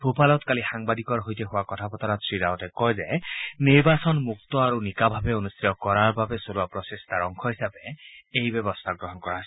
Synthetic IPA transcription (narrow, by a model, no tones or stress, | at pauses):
bʱopalɔt̪kalixaŋbad̪ikɔɾɦojt̪eɦoakɔt̪ʰapɔt̪ʰaɾɔsɹiɾawʈekɔjzeniɾbasɔnmuk̚t̪ɔaɾunikabʱabeonust̪ɾijɔkɔɾaɾbʱabesoɾuapɾɔsest̪aɾɔŋkʰɔɦisabeejbɔbɔst̪ʰaɡɾɔɦɔnkɔɾas